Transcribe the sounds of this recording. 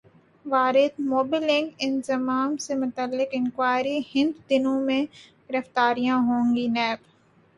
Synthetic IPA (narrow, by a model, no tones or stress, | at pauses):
ʋaːɾɪd̪moːbɪlɪ̃ŋkɪ̃nzɐmaːmsemʊt̪əlːɪkɪ̃nkwaːɾihɪ̃nd̪d̪ɪnõmẽɡ̥ɪɾəft̪aːɾijãɦõːŋɡinɛːb